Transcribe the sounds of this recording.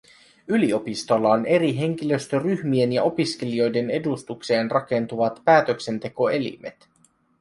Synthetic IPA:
ylio̞pist̪o̞lːɑone̞ɾiɦe̞ŋk̟ilø̞st̪øryhmie̞njɑo̞piske̞lio̞jde̞ne̞dust̪ukse̞ːnrɑke̞nt̪uʋɑt̪pæːt̪økse̞nt̪e̞ko̞e̞lḭme̞̰t̪

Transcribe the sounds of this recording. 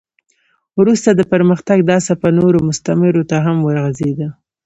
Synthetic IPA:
wɾust̪ad̪əpəɾməxt̪aɡd̪ɑsapanoɾomʊst̪amɪɾot̪aɦamwəɾɣazed̪a

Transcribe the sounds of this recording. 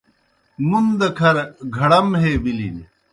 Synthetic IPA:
mund̪ɐkʰɐɾɡʱɐɽɐmɦeːbilḭn

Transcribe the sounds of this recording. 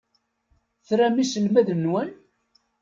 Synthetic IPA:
θɾæmisəlmæðənːwæn

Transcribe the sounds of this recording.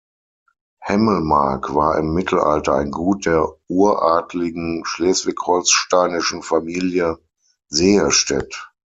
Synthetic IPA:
hɛməl̩ma̰ɐkv̥aːʔɪmːɪtʰl̩ʔa̰ltɐa̰ɪnɡuːt̚d̥eːɐʔuːɐʔaːtlɪɡŋ̩ʃlɛːsv̥ɪkhɔlsʃtaɪnɪʃn̩famiːljə | zeːəʃtɛ̰t

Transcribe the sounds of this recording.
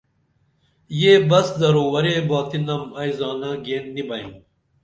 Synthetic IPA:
jeːbɐsd̪ɐɾoːwɐɾeːbaːt̪inɐmɐjzɑːnɐɡeːnːibɐḭ̃n

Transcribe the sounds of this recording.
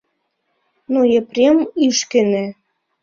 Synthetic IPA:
nojeprʲemyʃkɘ̆nĕ

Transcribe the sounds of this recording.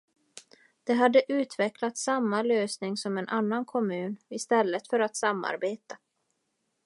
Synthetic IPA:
d̪̥ɛɦad̪ːəʔʉ̟ːt̪vɛklat̪samːaløːsnɪŋsɔmɛnʔanːankʰɔmʉ̟ːnɪst̪ɛlːət̪fœɾat̪samːa̰ɾbeːt̪a

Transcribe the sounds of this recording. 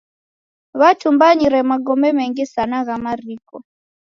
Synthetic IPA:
βat͡ʃumbaɲiɾɛmaɡɔmbɛmɛŋɡisanaɣamaɾikɔ

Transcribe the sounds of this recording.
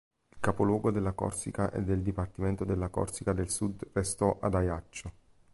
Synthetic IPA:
ilkapolwɔːɡod̪elːakɔ̰rsikaʔḛd̪ːeld̪ipart̪iment̪od̪elːakɔ̰rsikad̪elsud̪rest̪ɔʔad̪ajat͡ʃːo

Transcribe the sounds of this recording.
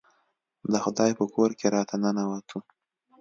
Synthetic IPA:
d̪əxʊd̪ɑjpəkoɾkeɾɑt̪ʰanənawat̪ʰu

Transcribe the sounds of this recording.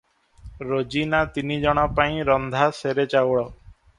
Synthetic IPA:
ɾod͡ʒinat̪inid͡ʒɔɽ̃ɔpaĩɾɔnd̪ʱaseɾet͡ʃawɭɔ

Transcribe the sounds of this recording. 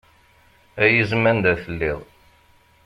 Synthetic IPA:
æjəzmænd̪æθəlːiðˤ

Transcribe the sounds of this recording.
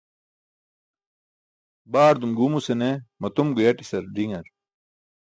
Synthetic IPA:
baːɾd̪umɡumusenemɐt̪umɡujɐʈisɐɾɖiŋɐɾ

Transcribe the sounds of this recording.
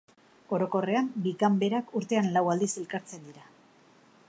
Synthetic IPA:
o̞ɾo̞ko̞re̞ambikambe̞ɾakuɾt̪e̞anlawald̪ise̞lkaɾt͡se̞nd̪iɾa

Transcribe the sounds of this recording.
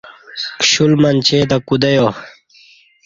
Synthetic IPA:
kɕulmɐnt͡ɕed̪akud̪ɐjo

